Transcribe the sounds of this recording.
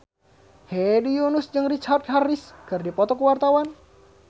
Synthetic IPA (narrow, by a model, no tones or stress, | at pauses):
hɛdijunʊsd͡ʒɨŋrit͡ʃard̪̚hariskərdipɔt̪ɔkəwart̪awan